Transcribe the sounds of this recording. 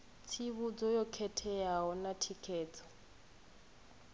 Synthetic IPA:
t͡sʰiβud͡zɔjɔkʰɛtʰɛjaɦɔnatʰikʰɛːt͡sʼɔ̥

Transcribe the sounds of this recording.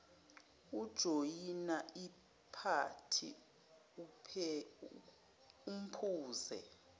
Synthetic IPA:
ud̥ʒ̥ʱojinaʔi | pʰatʰḭ | upʰɛ | um̩pʰuːzɛ̰

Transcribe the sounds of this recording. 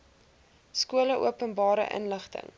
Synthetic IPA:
skuələʔṵəpənbɑːɾə̰ʔə̰nləχtə̰ŋ

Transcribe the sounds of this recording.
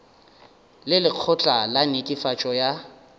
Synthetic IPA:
lɪlɪq͡χʰɔt͡ɬʼalanɪkʼɪfat͡ʃʼɔja

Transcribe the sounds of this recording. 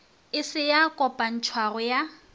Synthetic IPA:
ɪsɪjakʼɔpʼan̩t͡ʃʰwarʊja

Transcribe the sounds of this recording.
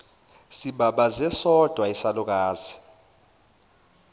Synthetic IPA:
siɓaɓazɛsɔd̥ʱwaisaluk̬aːzi̥

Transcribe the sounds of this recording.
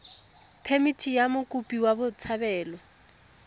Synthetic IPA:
pʰemitʰijamʊkʼupʼiwabʊt͡sʰabɛːlɔ

